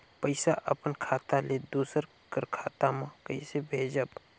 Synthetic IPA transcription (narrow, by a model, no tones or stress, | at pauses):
pəɪsaʔəpənkʰaːt̪aled̪uːsəɾ | kəɾkʰaːt̪amãkəisebʱeːd͡ʒəb